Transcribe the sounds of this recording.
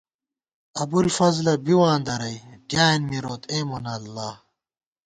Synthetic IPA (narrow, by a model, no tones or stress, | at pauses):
ɐbulfɐzlɐbiwaːnd̪ɐɾɐjdjaːinmiɾoːt̪ʰeːmonɐlːaː